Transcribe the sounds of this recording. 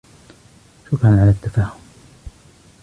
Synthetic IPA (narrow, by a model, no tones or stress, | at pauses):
ʃʊkɾanʕalat̪ːafaːhʊm